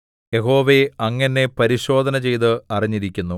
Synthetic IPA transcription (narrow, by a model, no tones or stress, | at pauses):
je̞ɦo̞ːʋeɐŋːɐnːe̞pɐɾiɕo̞ːd̪ʱɐnɐt͡ɕe̞jt̪̬ɨɐriɲːiɾikʲːunːu